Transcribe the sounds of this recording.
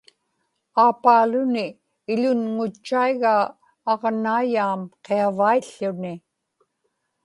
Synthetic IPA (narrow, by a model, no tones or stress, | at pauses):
aːpaːlʊnɪː | ʎʊnŋʊt͡ʃːaiɣaː | ʁnaːjaːmqeavaiɬːʊnɪ